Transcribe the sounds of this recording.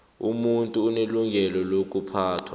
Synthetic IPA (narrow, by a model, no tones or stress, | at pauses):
ṵmuntʼuːneluŋɡʱɛlɔlok̬ʼupʰaːtʰwa